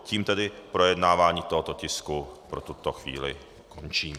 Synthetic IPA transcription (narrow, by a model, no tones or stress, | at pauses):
ciːmt̪ɛdɪpɾo̞jɛdnaːvaːɲiːt̪oɦot̪ocɪskupɾot̪ut̪oxvḭːlɪ̰ | kʰont͡ʃiːm